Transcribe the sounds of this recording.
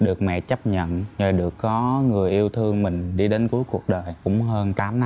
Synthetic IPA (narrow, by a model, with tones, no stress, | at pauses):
ɗɨ˨˩ək̚mɛ̰˧˨t͡ɕa˦˥p̚ɲə̰˧˨nzə˨˩jɗɨ˨˩əkːɔ˨˦ŋɨ˨˩əjʔi˧əwt̪ʰɨ˧əŋmï˨˩ŋ̟ɗi˧ɗe˨˦nku˨˦əjku˨˩ək̚ɗəː˨˩jkʊ̰˧˥ŋ͡mɦəː˧nt̪aː˨˦mna˧˦